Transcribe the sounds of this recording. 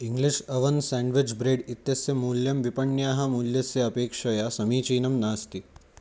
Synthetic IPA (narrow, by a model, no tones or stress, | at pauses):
iŋɡliʂɐʋɐnsɛːɳɖʋid͡ʒbɾeːɖit̪jɐsjɐmuːljɐmʋipɐɳjaːɦɐmuːljɐsjɐɐpeːkʂɐjasɐmiːt͡ʃiːnɐmnaːst̪i